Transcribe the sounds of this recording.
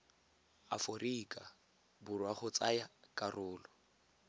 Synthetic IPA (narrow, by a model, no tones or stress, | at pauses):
a̰forikʼa | bʊrwaχʊt͡sajakʼarʊːlɔ